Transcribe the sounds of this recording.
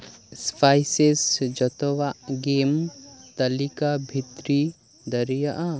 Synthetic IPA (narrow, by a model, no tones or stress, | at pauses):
spʰaːjsesd͡ʒɐt̪oʋaɡeːmt̪ɐlikabʱit̪ɾi | d̪ɐɾijaʔa